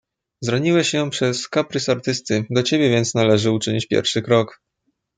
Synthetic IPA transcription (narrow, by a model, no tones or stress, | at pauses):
zɾɔɲiwɛɕjɔ̃pʂɛskapɾɘsaɾt̪ɘst̪ɘd̪ɔt͡ɕebʲjɛvʲɛnt̪snalɛʐɘut͡ʂɘɲit͡ɕpʲjɛ̰ɾfʂɘkɾɔk